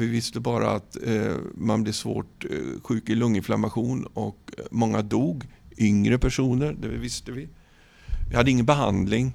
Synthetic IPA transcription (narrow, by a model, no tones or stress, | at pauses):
vɪvɪst̪əbɑːɾa̰at̪ | manblɛsvo̰ːʈɧʉ̟ːkɪlɵŋːɪnfla̰maɧuːnɔkmɔŋːad̪uːɡʏŋɾəpʰæʂuːnəɾd̪ɛvɪst̪əvɪ | vɪhad̪ːəɪŋːənbɛɦa̰nd̪lɪŋ